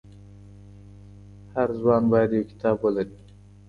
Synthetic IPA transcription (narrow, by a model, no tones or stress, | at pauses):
haɾzwɑnbɑjad̪jawkɪ̥t̪ʰɑːbwəlaɾi